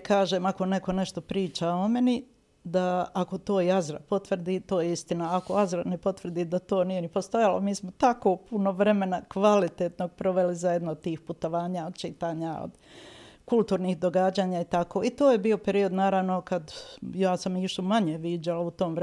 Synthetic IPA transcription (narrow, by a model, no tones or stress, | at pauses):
kaːʒe̞ːmako̞ne̞ko̞ne̞ʃt̪o̞pɾiːt͡ʃao̞me̞ni | d̪aːko̞t̪o̞ːiazɾa̰po̞t̪ʋr̩d̪iːt̪o̞ːjeist̪inaakoazɾanepo̞t̪ʋr̩d̪iːd̪at̪o̞ːnije̞nipo̞st̪o̞jalomiːsmot̪ako̞ːpunoʋɾe̞me̞nakʋalit̪eːt̪no̞ɡ̚pɾo̞ʋelizajed̪nood̪̚t̪iːxput̪o̞ʋaːɲaod̪̚t͡ʃit̪aːɲao̰d̪̥ | kulˠt̪uːɾnihd̪o̞ɡaːd͡ʑaːɲait̪ako̞ːit̪o̞ːjebio̞pe̞ɾio̞d̪naːɾaʋno̞kad̪jaːsamiʃtumaɲeʋiːd͡ʑalaut̪o̞ːmʋɾ